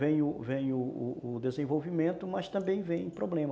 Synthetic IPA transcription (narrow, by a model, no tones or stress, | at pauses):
vẽj̃ʊvẽj̃ʊʊʊd̪ezẽvowvimẽnt̪ʊmɐst̪ɐ̃mbẽj̃vẽj̃pɾoblẽmɐ